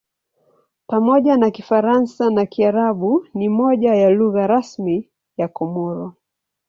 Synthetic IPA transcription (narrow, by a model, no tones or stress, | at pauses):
pamɔʄanakifaɾansanakiaɾaɓunimɔʄajaluɣaɾasmi | jakɔmɔɾɔ